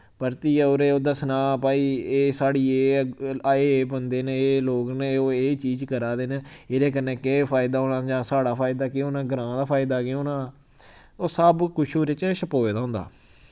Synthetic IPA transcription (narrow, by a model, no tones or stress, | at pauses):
pəɾt̪iːoːɾeːoːd̪aːsənaːpaːiːeːsaːɽiːeːaeːeːbənd̪eːnẽːeːloːkneːoːeːt͡ʃiːd͡ʒkəɾaːd̪eːnẽːɪɾeːk̬əɾnẽːkepʰaːɪd̪aːoːnãːd͡ʒãːsaːɽaːpʰaːɪd̪aːkɪoːnãːɡəɾãːd̪aːpʰaːɪd̪aːkɪoːnãː | oːsəbkʊʃʰuːɾɪt͡ʃʃəpoːeːd̪aːɦʊ̃ːnd̪a̰ː